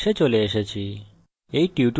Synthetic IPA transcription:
et͡ʃoleːʃet͡ɕʰi | eiʈiuʈ

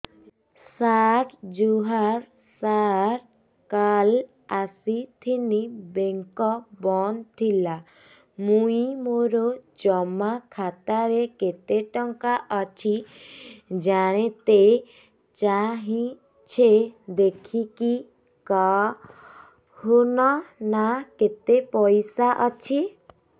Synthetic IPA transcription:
saʈd͡ʒuɦaɾ | saɾ | kal | asit̪ʰinibeŋkɔbɔnt̪ʰila | muimoɾod͡ʒɔmakʰat̪aɾeket̪eʈɔŋkaʔɔt͡ʃʰi | d͡ʒaɽ̃et̪e | t͡ʃaɦĩ | t͡ʃʰed̪ekʰiki | ka | hunɔnaket̪epɔjsaʔɔt͡ʃʰi

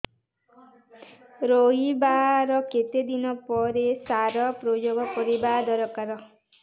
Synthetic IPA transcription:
ɾoɦibaɾɔket̪ed̪inɔpɔɾesaɾɔpɾod͡ʒoɡɔpɔɾibad̪ɔɾɔkaɾɔ

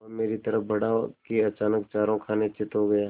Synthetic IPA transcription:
meːɾit̪ɐɾəfbʱɐɽakeɐt͡ʃaːnək̚t͡ʃaːɾõkʰaːnet͡ʃɪt̪ɦoɡɐjaː

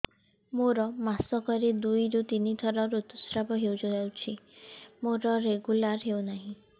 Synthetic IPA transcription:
moɾɔmasɔkɔɾed̪ujɾut̪init̪ʰɔɾɔɾut̪usɾabɔɦewd͡ʒɔjawt͡ʃʰimoɾɔɾeɡulaɾɦewnaɦĩ

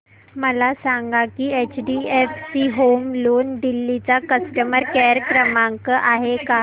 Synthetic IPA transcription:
məlasãŋɡakiːet͡ɕɖiefsiɦomlond̪ilːit͡sakəsʈəməɾkɛɾkɾəmãŋkəʔaɦeka

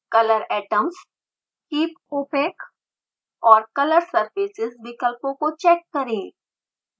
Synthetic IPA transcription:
kɐləɾɛːʈəms | kiːpoːpeːk | ɔːɾkɐləɾsɐɾfiːsɪzʋɪkəlpõkot͡ʃɛːkːɐɾẽː

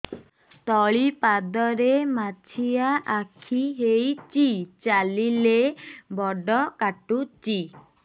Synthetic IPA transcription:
t̪ɔɭipad̪ɔɾemat͡ʃʰijaʔakʰiɦejt͡ʃit͡ʃalilebɔɖɔkaʈut͡ʃi

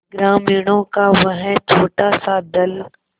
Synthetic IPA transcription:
ɡɾaːmiːɽ̃õːkaʋɐɦɛ̃t͡ʃʰoːʈasad̪ɐl

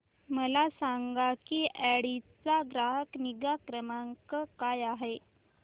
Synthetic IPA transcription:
məlasaŋɡakiʔæɽit͡saɡɾaɦəkniɡakɾəmaŋkəkajaɦe

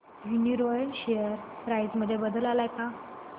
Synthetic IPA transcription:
juniɾojənɕejəɾpɾajd͡zməd̪ʱːjebəd̪əlalajka

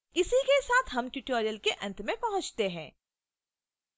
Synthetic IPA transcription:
ɪsikesaːt̪ʰɦɐmʈuʈoːɾijəlkeʔɐ̃nt̪ʰmẽpɐɦʊ̃t͡ʃt̪eɦɛ̃ː

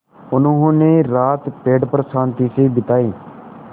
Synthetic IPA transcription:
ʊnũːɦʊ̃neːɾaːt̪peːɖpɾəsãːnt̪iːsiːbɪt̪aːiː

